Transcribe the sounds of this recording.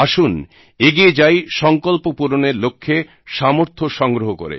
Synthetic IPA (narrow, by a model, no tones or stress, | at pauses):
aʃun | eɡied͡ʑajʃɔŋkolpopuɾoneɾlokʰːe | ʃamoɾt̪ʰoʃɔŋɡɾoɦokoɾḛ